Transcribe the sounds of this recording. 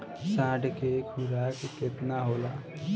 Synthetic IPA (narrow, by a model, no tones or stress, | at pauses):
sãːʈkekʰʊɾaːkkɪt̪naɦoːlaː